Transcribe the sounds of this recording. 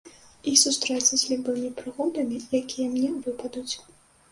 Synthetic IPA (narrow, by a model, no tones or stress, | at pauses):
isust̪ɾɛt̪sɐzʲlʲibɨmʲipɾɨɣɔd̪ɐmʲijakʲijɐmnʲɛvɨpɐd̪ut͡sʲ